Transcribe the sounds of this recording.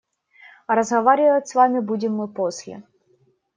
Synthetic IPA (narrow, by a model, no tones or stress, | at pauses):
ɾəzɦɐvaɾʲɪvətʲsvamʲɪbudʲɪmːɨposʲlʲɪ̰